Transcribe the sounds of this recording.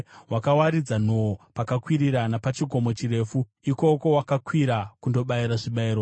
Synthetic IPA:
wʔakawaɾid͡zanoopakakwiɾiɾanapat͡ʃiɡʱo̞mo̞t͡ʃire̞ːfu | iko̞ko̞wakakwiɾakundo̞ɓaiɾaʐiɓaiːɾo

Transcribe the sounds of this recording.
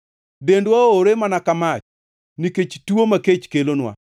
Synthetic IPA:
dendwaoɾemanakamat͡ʃ | niket͡ʃtuomaket͡ʃkelonwa̰

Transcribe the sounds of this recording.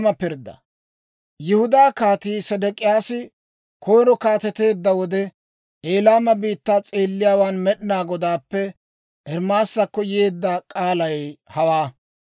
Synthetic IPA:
mɐpɪɾd̪ːɐ̰ | jɪhʊd̪aːkaːt̪iːsɐd̪ɛkʼɪjaːsɪ | kʰɔjɾɔkaːt̪ɛt̪e̞ːd̪ːɐwɔd̪ɛ | ʔeːlaːmɐbiːt̪ːaːt͡sʼe̞ːlːɪjaːwaːnmɛɗɪnaːɡɔd̪aːpːɛ | ʔɛɾmaːsːɐkːɔjeːd̪ːɐkʼaːlɐjhɐwaː

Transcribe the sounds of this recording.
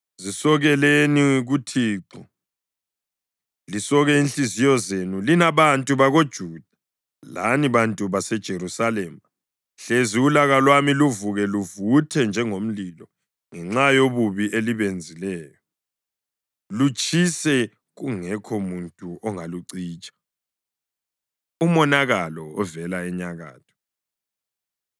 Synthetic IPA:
zisɔɣɛleniɣutʰiːǀɔ | lisɔɣɛinɬizijɔzenulinaβantʼuβaɣod̥ʒ̥ʱuːd̥ʱḁ | la̰niβantʼuβasɛd̥ʒ̥ʱeɾusalɛma | ɬeziulaɣalwamiluvuɣɛluvutʰɛnd͡ʒʱɛŋom̩lilɔ | ŋɛŋ͡ǁajoβuβiʔeliβend͡zʱilɛːjɔ | lut͡ʃʼisɛ | ɣuŋɛkʰɔmuntʼuʔɔŋaluǀiːt͡ʃʼḁ | umɔnaɣalɔɔvɛlaɛɲaɣa̰ːtʰɔ̥

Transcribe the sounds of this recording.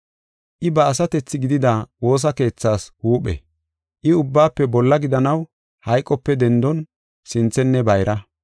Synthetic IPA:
ʔɪbɐːs̬ɐt̪ɛt͡sːɪɡɪd̪ɪd̪awo̞ːs̬ɐke̞ːt͡sːaːshuːɓɛ̰ | ʔɪʊbːaːpːɛbɔlːɐɡɪd̪ɐnɐw | hɐjkʼːɔpːɛd̪ɛnd̪ɔn | sɪnt͡sːɛnːɛbɐjɾʔɐ

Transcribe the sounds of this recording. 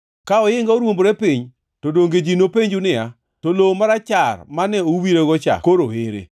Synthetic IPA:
kaɔjɪŋɡaoɾwombɾɛpiɲ | todoŋɡed͡ʒinopeɲd͡ʒunɪa | tolomaɾat͡ʃarmanɛowiɾeɡɔt͡ʃa̰koɾoheɾḛ

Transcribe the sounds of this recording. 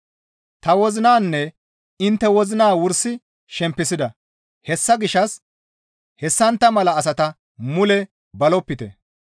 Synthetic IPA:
t̪ɐwɔzɪnaːnːɛ | ɪnt̪ːɛwɔzɪnaːwʊɾsːɪ | ʃɛmpːɪsɪd̪ɐ | hɛsːɐɡɪʃːɐs | hɛsːɐnt̪ːɐmɐlɐːs̬ɐt̪ɐ | mʊlɛ | bɐlɔpːɪt̪ɛ̰

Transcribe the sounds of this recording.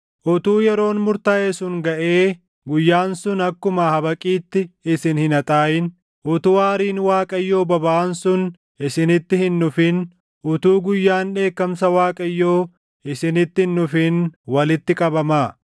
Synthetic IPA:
ʔʊt̪uːjɛɾo̞ːnmʊɾt̪ɐeːsʊnɡɐʔeː | ɡʊjːaːnsʊnɐkːʊmɐhɐbɐkʼiːt̪ːɪɪsɪnhɪnɐt̪ʼaːjɪn | ʔʊt̪ʊwaːɾiːnwaːkʼɐjːo̞ːbɐbɐːnsʊn | ɪsɪnɪt̪ːɪhɪnːʊfɪn | ʔʊt̪uːɡʊjːaːnᶑe̞ːkːɐmsɐwaːkʼɐjːoː | ɪsɪnɪt̪ːɪhnːʊfɪnwɐlɪt̪ːɪkʼɐbɐmaː

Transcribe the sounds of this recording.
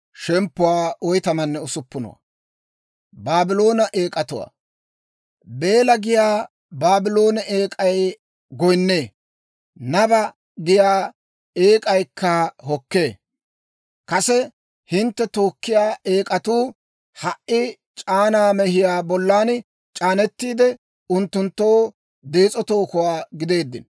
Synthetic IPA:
ʃɛmpːʊwaːɔjt̪ɐmɐnːɛʊsʊpːʊnɔ̰wa̰ | baːbɪlo̞ːnɐʔeːkʼɐt̪ʊwa̰ː | be̞ːlɐɡɪjaː | baːbɪlo̞ːnɛʔeːkʼɐj | ɡɔjnːeː | nɐbɐ | ɡɪjaː | eːkʼɐjkʰːɐɦɔkːe̞ː | kɐsɛ | hɪnt̪ːɛt̪o̞ːkːɪjaːʔeːkʼɐt̪uː | hɐʔʔɪ | t͡ʃʼaːnaːmɛhɪjaːbɔlːaːn | t͡ʃʼaːnɛt̪ːiːd̪ɛ | ʊnt̪ːʊnt̪ːo̞ː | d̪e̞ːt͡sʼɔt̪o̞ːkʊwaːɡɪd̪e̞ːd̪ːɪ̰n

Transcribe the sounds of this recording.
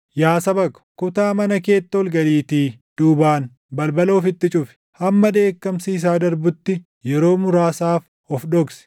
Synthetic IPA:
jaːsɐbɐkɐ̥kʊt̪aːmɐnɐke̞ːt̪ːɔlɡɐliːt̪iːd̪̥uːbaːn | bɐlbɐlo̞ːfɪt̪ːɪt͡ʃʼʊfɪ̥ | hɐmːɐd̪e̞ːkːɐmsiːs̬aːd̪ɐɾbʊt̪ːɪ | jɛɾo̞ːmʊɾaːsaːf | ɔfᶑɔɡsɪ̥

